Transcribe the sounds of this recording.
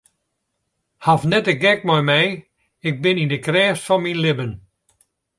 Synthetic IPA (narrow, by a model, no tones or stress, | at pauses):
hafnɛtəɡɛkmɔjmɛj | ɪk̚bɪnindəkrɛːsfɔnminlɪbən